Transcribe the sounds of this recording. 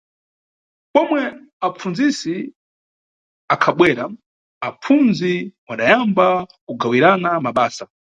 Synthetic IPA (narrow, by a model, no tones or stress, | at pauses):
pɔmwɛ | ap͡funzisi | akʰaɓwɛːɾa | ap͡funziwaɗajambakuɡawiɾanamaɓaːsa